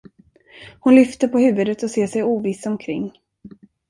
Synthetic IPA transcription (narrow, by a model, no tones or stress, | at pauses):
hʊnlʏft̪əɾpʰɔhʉ̟ːvɵd̪ət̪ɔseːʂɛjuːviːsɔmkʰɾɪ̰ŋː